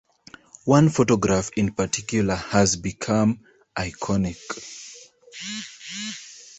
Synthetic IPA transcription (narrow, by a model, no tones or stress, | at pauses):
wãnfotɔɡɹafɪ̃npatʰikjuləhəzbikʰãm | ʔaɪkʰɔnik